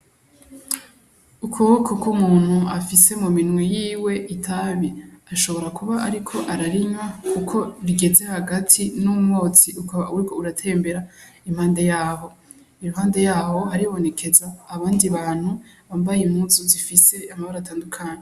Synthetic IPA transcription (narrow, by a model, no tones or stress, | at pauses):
ukʰuβokʰokomuːn̥huafise̞muminwejiːwe̞ʔitʰaβiaʃo̞βo̞ɾakuβaʔaɾikʰo̞ʔaɾaɾiɲwakukʰo̞ɾiɡe̞ze̞haɡatʰinumŋo̞ːt͡siʔukaβauwɾikouɾatʰe̞ːmbe̞ɾa | imhaːnde̞jaːɦo̞ | imhaːndejaːho̞ɦaɾiβo̞ne̞kʰe̞zaːβaːndiβaːn̥huβaːmbajemhuːzuzifise̞amaβaɾataːndukʰaːɲe